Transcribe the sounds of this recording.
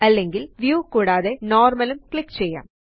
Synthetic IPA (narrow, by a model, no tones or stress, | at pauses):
ɐlːeŋɡɪlʋjuːkuːɽaːðenoːɾmɐlɯmkɭɪkːt͡ɕɛjːa̰ːm